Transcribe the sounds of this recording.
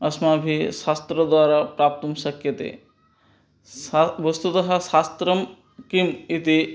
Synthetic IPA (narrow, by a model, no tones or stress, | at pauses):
ɐsmabʱisast̪ɾod̪waːɾapɾap̚t̪omsɐkʰjɐt̪ḛ | bɔst̪ut̪ɐɦasast̪ɾɐm | kimit̪i